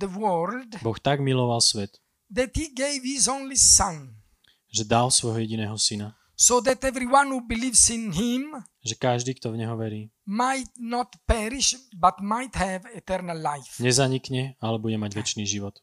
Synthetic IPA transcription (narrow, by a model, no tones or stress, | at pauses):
d̪əwɜlld̪bɔxt̪aɡmilɔʋalsʋɛt̪ | d̪ɛt̪hiɡeɪvhizõnlisãn | ʒɛd̪alsʋɔjɦɔjɛɟinɛːɦɔsina | soʊd̪ɛt̪ɛvɾiwãnhubilivsĩnɦĩm | ʒɛkaʒd̪iːkt̪ɔvɲɛɦɔʋɛɾiːmajt̪nɔt̪pɛɾiʃbat̪majt̪hɛvɛt̪ɛɾnalːajfɲɛzaɲikɲɛalɛbuɟɛmaɟʋɛt͡ʃniːʒiʋɔt̪